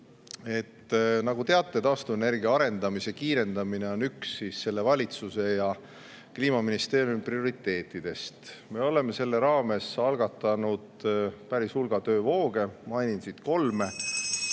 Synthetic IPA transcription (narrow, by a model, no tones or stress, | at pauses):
e̞t̪ːnɑɡ̥ut̪e̞ɑt̪ˑːet̪ɑːst̪uene̞rɡiɑɑɾe̞nd̪ɑmisekiːɾe̞nd̪̥ɑmine̞o̞nyksːisːe̞lːe̞vɑlʲit̪suse̞jɑ | kliːmɑminist̪e̞ːɾjumprio̞ɾit̪ːˑe̞ːt̪ːˑid̪̥e̞st̪me̞o̞le̞me̞se̞lːe̞ɾɑːme̞sɑlɡ̥ɑt̪ːˑɑnud̪pæɾishulɡ̥ɑt̪øːvo̞ːɡ̥e̞mɑjnʲinsit̪ko̞lme̞